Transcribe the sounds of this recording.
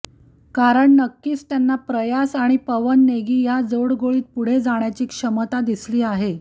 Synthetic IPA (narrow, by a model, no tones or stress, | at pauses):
kaɾəɳnəkːiːst̪janːapɾəjasaɽ̃ipəʋənːeɡiːjad͡zoɽɡoɭiːt̪̚puɽ̤ed͡zaɳ̃jat͡ɕiːkʂəmət̪ad̪isliːaɦe